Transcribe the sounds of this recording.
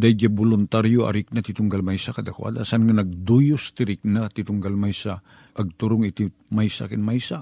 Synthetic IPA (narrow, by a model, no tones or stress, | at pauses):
d̪ajɡabolʊnt̪aɾjoa̰ɾik̚nat̪it̪ʊŋɡalmajsakɐd̪akwa̰d̪asanŋanɐɡ̚d̪ujost̪iɾɪk̚nat̪it̪ʊŋɡalmajsa | ʔɐɡ̚t̪uɾʊŋit̪i | majsa̰kɪnmajsa